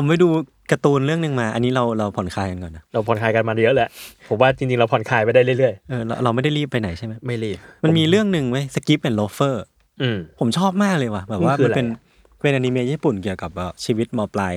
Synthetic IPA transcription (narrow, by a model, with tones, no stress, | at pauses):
pʰo˩˦ma˥˩jduː˧ | ka˧t̪uː˧nɾɯ˥˩əŋnɯ˨˧ŋmaː˧ʔa̰˧nːiː˦˥ɾa˧wɾa˧wpʰɔ˨˩nkʰaː˧jka˧nkɔː˨˩nːa˦˥ɾa˧wpʰɔ˨˦nkʰaː˧jka˧nma˧ɾa˧˩jɤ˦˥lːpʰo˩˦mwaː˥˩t͡ɕi˧ŋt͡ɕi˧ŋɾa˧wpʰɔ˨˩˦nkʰaː˧jpa˧jda˥˩jɾɯ˥˩jɾɯ˥˩əjʔɤː˧ɾa̰˧ɾa˧wma˥˩jda˥˩liː˥˩pːa˧jna˩˦jt͡ɕʰa˥˩ma˦˥jma˥˩jliː˥˩ma˧nmiː˧ɾɯ˥˩əŋnɯ˧ŋwa˦˥jsa˧ki˦˥p̚ʔa˨˩nloː˦˥fɤː˥˩ | ʔɯ˧pʰo˩˦mt͡ɕʰɔː˥˩p̚maː˥˩k̚lɤː˧jwa˦bɛː˨˩waː˥˩˧a˧npe˧n | pe˧nʔa˧i˧me˧jiː˥˩pu˨˩nki˨˩əwka˨˩p̚bɛː˨˩p̚t͡ɕʰiː˧wi˦˥t̪̚mɔː˧plaː˧j